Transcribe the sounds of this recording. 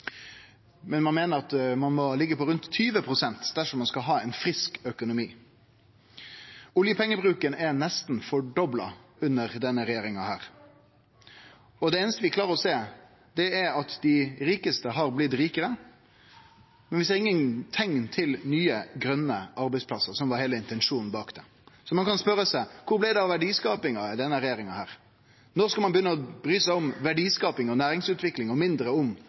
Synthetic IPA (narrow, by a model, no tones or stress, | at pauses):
mɛnmɑnmeːnəɾɑt̪mɑnmɔlɪɡːəpɔɾʉnt̪ʰːyːʋəpʰɾʊsɛnt̪d̪̥æʂɔmɑnskɑɦɑːɛɪnfɾɪskœkʊnʊmiː | ʊljəpʰɛŋːəbɾʉːkənɛnɛst̪n̩fɔɖɔblɑ̰ʉnːəʁd̪ɛnːəɾɛjeːɾɪŋɑhæːɾ | ɔd̪ɛeːnəst̪əʋɪklɑːɾəɾɔseː | d̪ɛæɾɑt̪d̪ɪɾiːkəst̪əɦɑɾblɪt̪ɾiːkəɾə | mɛnʋɪsd̪ɛɾɪŋːənt̪ʰɛŋːt̪ʰɪlnyːəɡɾœnːəɑɾbɛɪspʰlɑsːəɾsɔmʋɑɾheːləɪnt̪ɛnʂuːnn̩bɑːkd̪̥ɛ | sɔmɑnkɑnspœɾəsæɪkʰʊɾblɪd̪ɛɑʋæɖiːskɑːpɪŋɑɪd̪ɛnːəɾɛjeːɾɪŋɑhæːɾ | nɔɾskɑlmɑnbjʏnːəɔbɾyːsæɪɔmʋæɖiːskɑːpɪŋɔnæːɾɪŋsʉːt̪ʋɪklɪŋɔmɪnd̪ɾəʊm